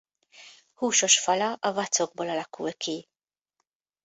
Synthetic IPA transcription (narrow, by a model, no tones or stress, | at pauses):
huːʃɔʃfɐlɐʔɐvɐt͡s̪ːɔɡ̚bɔlɐlɐkːuwɛkʰːi